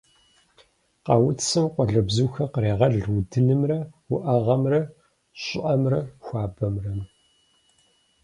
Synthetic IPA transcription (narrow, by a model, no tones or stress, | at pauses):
qɑwʊtsɨmqʷɔɮɐbzuːxɐqəreːʁɐɮwudɨnɨmrɐwʊʔɐʁɐmrɐ | ɕʼʊʔɐmrɐxʷɑaːbɐmrɐm